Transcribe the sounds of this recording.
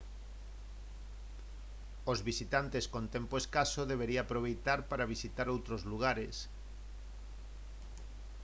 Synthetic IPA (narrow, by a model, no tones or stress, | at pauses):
ozβisit̪ant̪eskont̪empoeskasoðeβ̞eɾiaːpɾoβ̞ejt̪aɾpaɾaβisit̪aɾowt̪ɾozluɣ̞aɾes